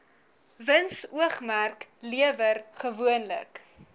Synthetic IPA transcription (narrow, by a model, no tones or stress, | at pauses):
vənsuəχmærkliəvərχəvuənlə̰k